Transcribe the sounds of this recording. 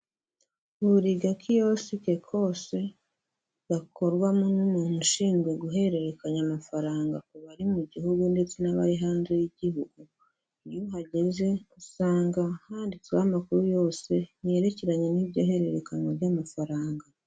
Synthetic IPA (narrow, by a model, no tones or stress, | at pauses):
uβuɾiɡakʰijo̞sike̞kʰo̞ːse̞ | ɡakʰo̞ɾɡwamonumunuʃiːŋɡwe̞ɡuɦe̞ɾe̞ɾe̞kaɲamafaɾaːŋɡakuβaɾimuɟiɦuɡunde̞t͡se̞naβa̰ɾiɦaːnze̞jiɟiɦuɡu | juɦaɟe̞ze̞usaːŋɡahaːndit͡swamakuɾujo̞ːse̞je̞ɾe̞ceɾaɲe̞niβɟo̞̰ːɦe̞ɾe̞ɾe̞kaɲwoβjamafaɾaːŋɡa